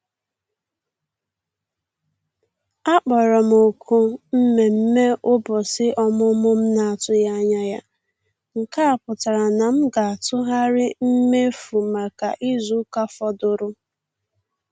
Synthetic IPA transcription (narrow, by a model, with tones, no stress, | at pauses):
a˦k͡pɔ˨ɾɔ˨m̩˨o˨kʰu˦m̩˦me˨m̩˦me˦ʔʊ˦bɔ˨sɪ˦ʔɔ˦mʊ˦mʊ˦m̩˦na˨a˨tʊ˦ja˦ɲa˦ja˦ | ŋ̩˨ka˦a˨pʊ˨ta˨ɾa˨na˨m̩˦ɡa˨a˨tʊ˦ɦa˦ɾɪ˦m̩˦me˦fu˨ma˨ka˨ʔi˦zu˦ka˦fɔ˦dʊ˨ɾʊ˦